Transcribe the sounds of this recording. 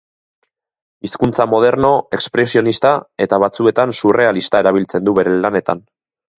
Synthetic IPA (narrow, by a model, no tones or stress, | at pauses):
iskunt͡samo̞ð̞e̞ɾno̞e̞kspɾe̞sio̞nist̪ae̞t̪aβat͡sue̞t̪ansure̞alist̪ae̞ɾaβ̞ilt͡se̞nd̪uβe̞ɾe̞lane̞t̪a̰n